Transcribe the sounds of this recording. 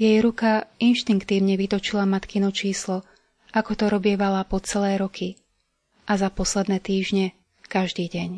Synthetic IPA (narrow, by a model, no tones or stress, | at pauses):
jɛjɾukainʃt̪iŋkt̪iːʊɲɛʋit̪ɔt͡ʃilamat̪kinut͡ʃiːslɔ | ʔakɔt̪ɔɾɔbɪɛʋalapɔt͡sɛlɛːɾɔkʰi | ʔazapɔslɛd̪nɛːt̪iːʒɲɛ | kaʒd̪iːɟɛɲ